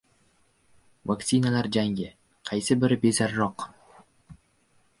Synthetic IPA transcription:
vakt̪sinalaɾd͡ʒaŋɡʲɪ | qʰɑjsɪbɪɾɪbe̞zaɾːɒq

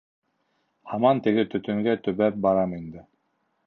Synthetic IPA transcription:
hɑmɑnt̪ɘ̆ɡɘt̪ɵ̆t̪ɵ̆ŋɡæt̪ɵ̆βæp̚bɑɾɑmind̪ɘ

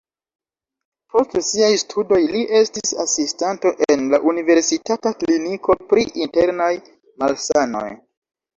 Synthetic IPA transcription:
po̞stsiajstʰudo̞jliʔe̞stisasistanto̞ʔenlaʔunive̞ɾsitatakliniko̞pɾiʔinte̞ɾnaj | malsano̰j

